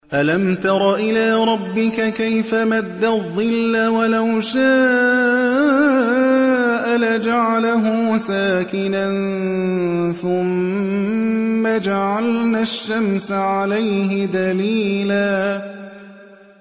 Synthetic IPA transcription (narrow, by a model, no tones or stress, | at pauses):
ʔalamt̪ɑɾˤɑʔɪlaːɾˤɑbːɪkakajfamad̪ːaðˤːɨlːawalawʃaː | ʔalad͡ʒaʕalaɦʊsaːkɪnann | θʊm | ad͡ʒaʕalnaʃːamsʕalajɦɪd̪aliːlaː